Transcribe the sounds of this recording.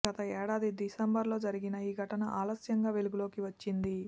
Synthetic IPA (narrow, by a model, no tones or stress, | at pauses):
ɡɐt̪ɐɛːɽaːd̪id̪isembɐɾlo̞ːd͡ʒɐɾiɡinɐiːɡʱɐʈɐnɐʔaːlɐsjɐŋɡaːʋe̞luɡulo̞ːkiʋɐt͡ʃːind̪i